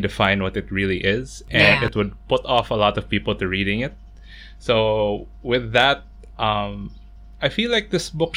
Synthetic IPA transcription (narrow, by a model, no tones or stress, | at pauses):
dɨfãɪ̃ndwʌtɨt̚ɹilˠiʔɪz̥ʔɨ̃nɪt̚wʊd̚pʊtɔfəlɔtʌv̥pipl̩ˠtɨɹiɾɪ̃ŋɪt̚ | soʊ | wɪðət̚ | ʔʌ̃m | aɪfilaɪk̚ðɪsbʊk